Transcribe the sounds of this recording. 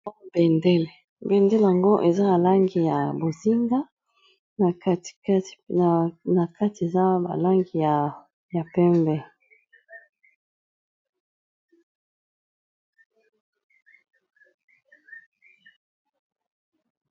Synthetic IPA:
ɔ˦bɛ˨ndɛ˦le˨ | bɛ˨nde˦le˨a˨ŋɡo˦ʔe˨za˦a˨la˦ŋɡi˨ja˨bo˨zi˦ŋɡa˦ | na˨kḁ˦˨˦ | na˨ka˦ti˨e˨za˦ba̰˨la˦ŋɡi˨ja˨ | ja˨pɛ˦mbɛ˦

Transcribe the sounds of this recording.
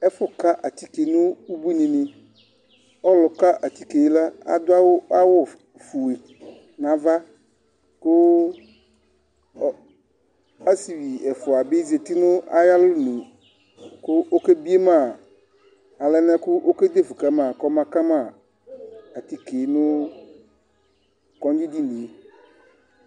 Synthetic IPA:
ɛ˦fʊ˦ka˦ʔa˨t̪i˦ke˨˦nʊ̃˦u˦bu˦ɲĩ˨nɪ̃˨ | ɔ˦lʊ˨ka˦ʔa˨t̪i˦ke˨˦la˦a̰˨d̪ʊ˦a˦wʊ˦a˦wʊ˦ | fu˨e˨ | nã˨va˦ | kʊ˦˨ | a˦si˨wi˨ɛ˨fʊ˨a˨be˦ze˨t̪i˦nʊ̃˦a˨ja˦lʊ˦nũ˨ | kʊ˦ʔo˦ke˦bi˦e˦mã˨ | a˨lɛ˦nɛ̃˦kʊ˦ʔo˦ke˦d̪e˦fu˨ka˦mã˨kɔ˦mã˦ka˦mã˨ | a˨t̪i˦ke˨˦nʊ̃˦ | kɔ˦n˦d͡ʒi˦di˦nĩ˨e˨

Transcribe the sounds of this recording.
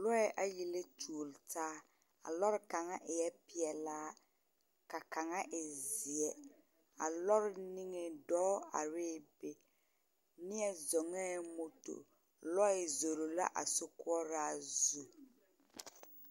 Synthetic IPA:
lɔ˦ɛ˦ʔa˨ji˨le˦tʰu˨o˨ltaː˦ | a̰˨lɔ˦ɾɪ˦ka˨ŋa˦ʔɪ˨jɛ˦pɪ˨ɛ˨laː˦ | ka˨ka˨ŋa˦ʔɪ˨zi˨ɛ˨ | a̰˨lɔ˦ɾɪ˦ni˦ŋe˨dɔː˦a̰˨ɾɪː˦˨be˨ | nɪ˦ɛ˦zɔ˨ŋɛ˦mo˨to̰˨ | lɔ˦ɪ˨zo˨ɾo˨la̰˦ʔa̰˨sʊ˦kʊ˦ɔ˦ɾaː˦zu˨

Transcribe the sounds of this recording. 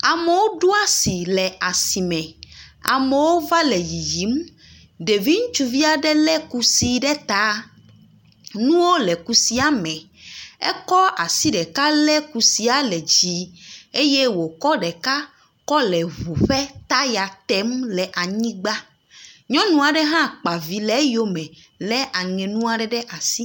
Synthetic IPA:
a˨mɛ˨wo˦ɖo˦a˦si˨lɛ˨a˨si˨mɛ̃˨a̰˨mɛ˨wo˦va˦lɛ˨ji˨ji˨˦m | ɖe˨vi˦ŋũ˦t͡ʃu˦vi˦a˨ɖɛ˦lɛ˦ku˦si˦ɖɛ˦t̪a˨˦ | nũ˦wo˦lɛ˨ku˨si˦a˦mɛ̃˨ | ɛ̰˦kɔ˦a˨si˦ɖɛ˨ka˦lɛ˦ku˨si˦a˨lɛ˨d͡ʑi˨e˦je˦wo˨kɔ˦ɖɛ˨ka˦ | kɔ˦lɛ˨βu˨ɸɛ˦t̪a˦ja˨t̪ɛ˦mlɛ˨ʔa˨ɲĩ˦ɡ͡ba˦ | ɲɔ̃˦nũ˨a˨ɖɛ˦ɦã˦k͡pa˨vi˨lɛ˦jo˦mɛ̃˨ | lɛ˦ʔa˨ŋɛ̃˨nũ˦a˨ɖɛ˦ɖɛ˦ʔa˨si˦

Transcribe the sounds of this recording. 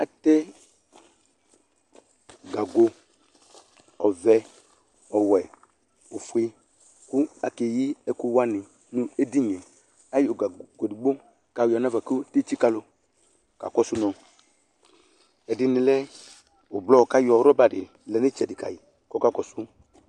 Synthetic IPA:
a˨tɛ˦ | ɡa˨ɡo˧ | ɔ˨vɛ˦ | ɔ˨wɛ˨ | o˨fu˨ɪ˦ | ku˦a˨ke˨ji˦ɛ˦ku˦wa˦nɪ˨ | nũ˦e˦di˦ɲɛ̃˨ | a˦jo˨ɡa˨ɡo˨di˨ɡ͡bo˦ | ka˨jɔ˨n˦a˦va˨ku˦te˦t͡ʃi˦ka˨lo˨ | ka̰˨kɔ˦su˦nɔ̃˨ | ɛ˨dɪ˨nɪ̃˨lɛ˦ | o˨blɔ˦˨ka˦jɔ˨˦ɾɔ˦ba˨dɪ˨ | lɛ˨nɪ˦t͡ʃɛ˨dɪ˨ka̰˨ji˨ | kɔ˦ka˦kɔ˨su˦

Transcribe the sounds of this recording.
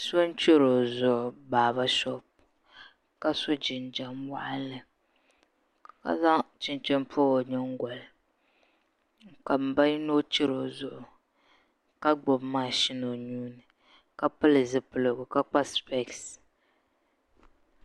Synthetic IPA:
so˦n˦t͡ʃe˦ɾo˨zʊ˨ʔʊ˨baː˨βa˦ʃɔ˦b̚ | ka˦so˦d͡ʒɪ˨nd͡ʒa˨mwa̰˦ʔa˦lɨ˨ | ka̰˦za˦t͡ʃɪ˨nt͡ʃɛ˦m˦pʰo˦o˨ɲɛ˦ŋ˦ɡʷɔ˨l | ka˨m̩˨ba˦ji˦no˦t͡ʃɛ˦ɾo˨zʊ˨ʔʊ˨ | ka˦ɡ͡bo˨bmaː˦ʃi˦no˨ɲuː˦nɨ˨ | ka˦pɨ˦lɨ˨zɨ˦pɨ˦˨lɨ˨ɡʊ˨ka˦k͡pa˦spɛ˦ks

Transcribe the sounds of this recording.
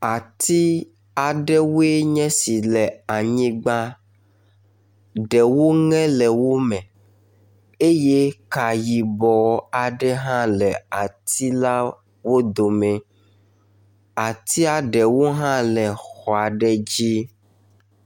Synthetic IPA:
a˨t̪i˦ | a˨ɖɛ˦wo˦e˦ɲɛ̃˦si˨lɛ˨a˨ɲĩ˦ɡ͡ba˦ | ɖɛ˨wo˦ŋɛ̃˦lɛ˨wo˦mɛ̃˨ | e˦je˦ka˨ji˨bɔ˨a˨ɖɛ˦ɦã˦lɛ˨a˨t̪i˦la˦ | wo˦d̪o˨mɛ̃˨ | a˨t̪i˦a˨ɖɛ˨wo˦ɦã˦lɛ˨xɔ˨a˨ɖɛ˦d͡ʑi˦

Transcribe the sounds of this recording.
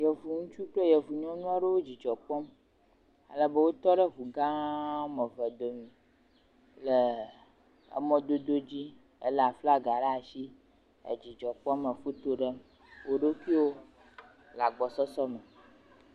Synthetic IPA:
jə˨vu˨ŋũ˦t͡ʃu˦k͡ple˦je˨vu˨ɲɔ̃˦nũ˦a˦ɖə˦wo˦d͡ʑi˨d͡ʒɔ˨k͡pɔ˦m | a̰˨lə˦˨bə˦wo˦t̪ɔ˦ɖə˦vu˨ɡã˦mə̃˨və˨d̪o˨mĩ˨ | lə˨ | ə̰˦mɔ̃˦d̪o˦d̪o˦d͡ʑi˦ | ḛ˦lə˨a˨fla˦ɡa˨ɖa˦a˨ʃi˦ | ḛ˨d͡ʑi˨d͡ʒɔ˨k͡pɔ˦mə˨fu˦t̪o˦ɖə˦ | wo˦ɖe˦ki˦wo˦ | la˨ɡ͡bɔ˨sɔ˦sɔ˦mɛ˨

